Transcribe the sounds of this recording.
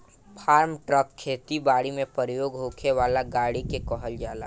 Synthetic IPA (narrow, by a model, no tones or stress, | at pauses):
pʰaːɾmʈɾəkʰːeːt̪ibaːɽimẽpəɾəjoːɡɦoːkʰeʋaːlaɡaːɽikekɔɦəld͡ʒaːla̰ː